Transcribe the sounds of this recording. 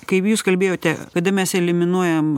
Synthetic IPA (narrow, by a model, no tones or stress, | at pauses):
kɐɪpjuːskɐlʲbʲeːjoːt̪ʲɛkɐd̪ɐmʲɛsɛlʲɪmʲɪnuɔjɛm